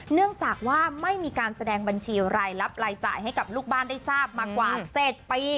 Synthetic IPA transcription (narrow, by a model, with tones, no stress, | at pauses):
nɯ˥˩əŋt͡ɕaː˨˩k̚waː˥˩ma˥˩jmiː˧kaː˧nsa˧dɛː˧ŋba˧nt͡ɕʰiː˧ɾaː˧jla˦˥p̚ɾaː˧jt͡ɕa̰ː˨˩jɦa˥˩jka˨˩p̚luː˥˩k̚baː˥˩nda˥˩jsaː˥˩p̚maː˧kwaː˨˩t͡ɕe˨˩t̪̚piː˧